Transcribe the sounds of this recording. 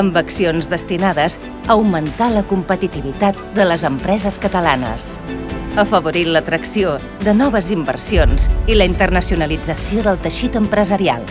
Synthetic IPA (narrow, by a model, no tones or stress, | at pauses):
əmbəksionzðəst̪inaðəz | əwmənt̪aləkumpət̪it̪iβit̪at̪d̪ələzəmpɾɛzəskət̪əlanə̰s | əfəβ̞uɾilət̪ɾəksio | ðənɔβ̞əzimbə̰rsionz̥iləint̪ərnəsiunəlid͡zəsioðəlˠt̪əʃit̪əmpɾəzəɾia̰lˠ